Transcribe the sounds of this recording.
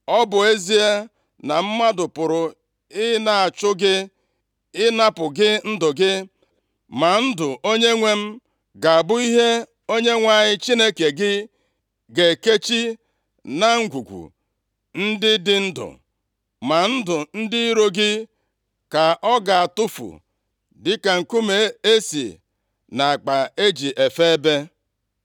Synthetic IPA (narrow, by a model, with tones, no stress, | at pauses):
ɔ˦bʊ˨e˦zi˦e˦ | na˨m̩˦ma˦dʊ˨pʊ˨ɾʊ˨ | ɪ˦na˨a˨t͡ʃʊ˦ɡɪ˦ | ɪ˦na˦pʊ˨ɡɪ˦n̩˦dʊ˨ɡɪ˦ | ma˨n̩˦dʊ˨ʔo˦ɲe˦ŋʷe˦m̩˦ | ɡa˨a˨bʊ˦i˦ɦe˦ | o˦ɲe˦ŋʷa˨ɲɪ˦t͡ʃi˦ne˦ke˨ɡɪ˦ | ɡe˨ke˦t͡ʃi˦ | na˦ŋ̩˦ɡʷu˨ɡʷṵ˨ | n̩˦dɪ˦dɪ˦n̩˦dʊ̰˨ | ma˨n̩˦dʊ˨n̩˦dɪ˦i˦ɾo˦ɡɪ˦ | ka˨ʔɔ˦ɡa˨a˨tʊ˦fṵ˨ | dɪ˦ka˨ŋ̩˨ku˦me˨e˦sḭ˨ | na˨a˨k͡pa˨e˦d͡ʒi˨ʔe˨fe˦e˦be˦